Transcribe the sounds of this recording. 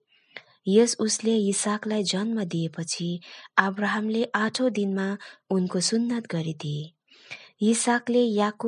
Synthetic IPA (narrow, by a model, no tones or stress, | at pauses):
jʌsusleisaklajd͡zʌnmʌd̪iepʌt͡sʰiabraɦamleʔaʈʰõd̪inmaunkosunːʌt̪ɡʌɾid̪ie | isaklejaku